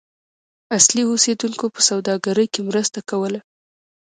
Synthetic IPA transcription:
asliosed̪uŋkopə̥sawd̪ɑɡaɾəjkemɾəst̪akawəla

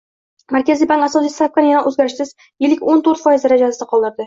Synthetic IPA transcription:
mæɾkʲæzibaŋkasɒsijsap̚kanijanɑʔʉzɡʲæɾɪʃsɪz | jɪlɪkʲont̪ɵɾt̪fɒjɪzɾæd͡ʒassɑqʰɒlˠd̪ɤ̆ɾd̪ɪ

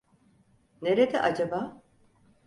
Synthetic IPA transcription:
neɾed̪ɛ̰ʔad͡ʒabaː

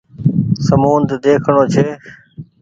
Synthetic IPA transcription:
səmuːnd̪d̪eːkʰɳõːt͡ʃʰeː

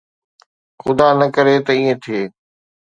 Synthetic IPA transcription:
xʊd̪aːnɐkəɾet̪ɐiːẽt̪ʰieː

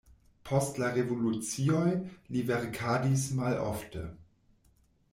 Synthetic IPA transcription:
pʰɔstlaʁevolut͡siojlivɛʁkʰaːdismalɔ̰ftʰə̰

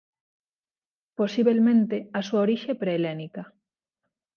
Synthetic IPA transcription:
posiβelmẽnt̪easuaoɾiʃepɾeːlenika

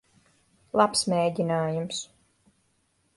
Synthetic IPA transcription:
lˠapsmeːɟʲinaːjums

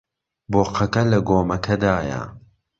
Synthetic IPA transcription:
boːqɐkɐlɐɡoːmɐkʰɐd̪aːjɐ̰

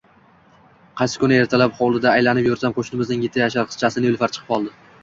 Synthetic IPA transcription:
qʰɑjsɪ̥kʊnae̞ɾt̪ʰalapχowlˠɪd̪aːjlanɪpjʊɾsamqʰoʃnɪmɪznɪŋjɪt̪ʰːajaʃ̬aɾqʰɨ̥t͡ʃʰasɪnɪjolˠfaɾt͡ʃʰɨ̥qʰɨ̥pʰɒlˠd̪ɪ

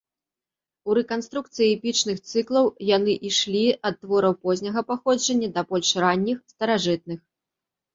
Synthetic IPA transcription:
uɾɛkanst̪ɾuk̚t̪sɨjiɛpʲit͡ʂnɨxt̪sɨklˠɐwjan̪ɨʔiʂlʲiɐt̪ːvɔɾɐwpɔzʲnʲɐɣɐpaxɔd͡ʐɐnʲːɐd̪ɐbɔlʲʂranʲːixst̪ɐɾaʐɨt̪̚nɨx

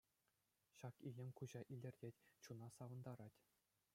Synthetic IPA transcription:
ɕɑkilʲɘ̆mʲkuʑɑʔilʲɘ̆rʲdʲetʲt͡ɕunɑsɑʋɤ̆nd̪ɑɾɑtʲ

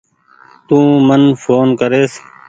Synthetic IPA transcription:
t̪ũːmənfʰoːnkəɾeːs

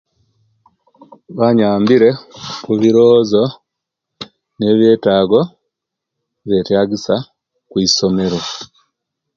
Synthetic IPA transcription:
βaɲaːmbiɾe̞kuβiɾoːzo̞ | ne̞ːβjeːtaːɡo̞ | βjetjaːɡisa | kwiːso̞me̞ɾwo

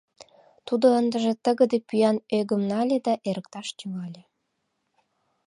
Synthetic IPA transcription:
t̪ud̪oənd̪əʒĕt̪əɣə̆d̪epyjɑnøɡəmnɑlʲed̪ɑʔeɾək̚t̪ɑʃt̪ʲyɣɑlʲe

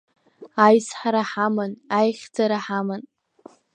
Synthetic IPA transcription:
ajsħaɾaħamɨnajχʲd͡zaɾaħamɨn

